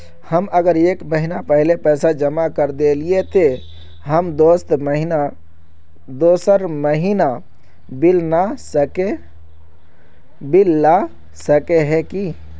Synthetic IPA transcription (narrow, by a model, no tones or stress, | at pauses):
həməɡəɾekməɦinapəɦilepəjsad͡ʒəmakəɾd̪eliet̪e | ɦəmd̪ost̪məɦina | d̪osəɾməɦina | bilnasəke | bilːa | səkeɦɛ̃ki